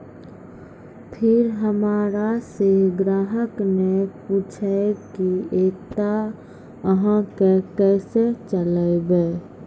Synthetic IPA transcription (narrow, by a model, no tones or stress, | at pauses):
pʰɪɾɦəmaːɾaseɡɾaːɦəkneput͡ʃʰɛkiet̪a | əɦãkekɛset͡ʃələɪbe